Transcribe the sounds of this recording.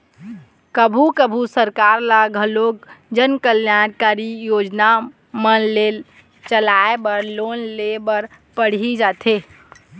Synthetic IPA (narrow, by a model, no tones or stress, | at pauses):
kəbʱukəbʱusəɾkaɾlaɡʱəloɡ̚d͡ʒənkəljankaɾijod͡ʒna | mənle | t͡ʃəlaebəɾlonlebəɾ | pəɽ̤id͡ʒat̪ʰe